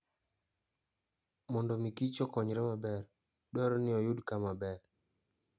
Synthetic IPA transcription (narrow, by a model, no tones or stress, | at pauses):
mɔndɔmikit͡ʃɔkɔɲɾɛmabɛr | dɔɾɔnɪɔjʊdkamabɛr